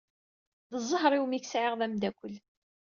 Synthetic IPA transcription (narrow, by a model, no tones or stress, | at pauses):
ðəzˤːəɦɾˤiwmiçsʕɪʁðæmd̪ækʷːəl